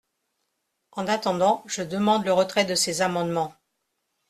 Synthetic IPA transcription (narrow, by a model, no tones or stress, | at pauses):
ɑ̃nat̪ɑ̃d̪ɑ̃ʒəd̪əmɑ̃d̪ləʁət̪χɛd̪əsezamɑ̃d̪mɑ̃